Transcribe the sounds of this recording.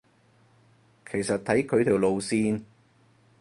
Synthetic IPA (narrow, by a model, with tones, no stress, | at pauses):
kʰe˨˩jsɐ˨t̚t̪ʰɐ˨˥jkʰɵ˨˧ɥt̪ʰi˨˩wlo˨wsiː˧n